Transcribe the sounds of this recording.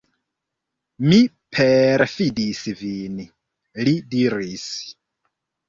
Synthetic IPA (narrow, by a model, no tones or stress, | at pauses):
mi | pʰeɾfidisvin | lidiɾis